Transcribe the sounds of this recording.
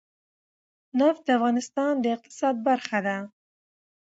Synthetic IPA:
naft̪̚d̪əafɣɑnɪst̪ɑnd̪əɪq̚t̪ɪ̥sɑd̪̚baɾxad̪a

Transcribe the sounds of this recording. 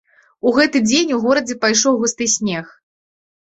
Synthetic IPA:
uɣɛt̪ɨd͡zʲenʲuɣɔɾɐd͡zʲɛpajʂɔwɣust̪ɨjsʲnʲɛx

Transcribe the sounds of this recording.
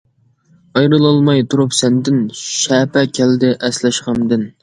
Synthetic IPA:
ɑjɾɨlˠɑlˠmɑjt̪ʰuɾupsɛnd̪ɪnʃɛːpɛkʲʰɛld̪ɪʔɛslɛʃqɑmd̪ɪn

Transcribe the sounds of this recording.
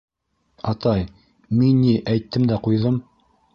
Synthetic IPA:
ɑt̪ɑj | minːiʔæjt̪ːɘmd̪æqujðɤm

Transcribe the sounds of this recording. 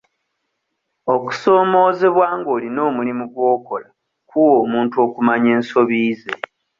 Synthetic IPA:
o̞ku̥so̞ːmo̞ːze̞βwaːŋɡo̞ːlino̞ːmulimuɡwo̞ːko̞la | kuwo̞ːmuːntuo̞ːkumaɲe̞ːnso̞βiːze̞

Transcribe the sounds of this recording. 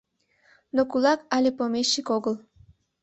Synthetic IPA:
nokulɑkɑlʲepomeʃːikoɣəl

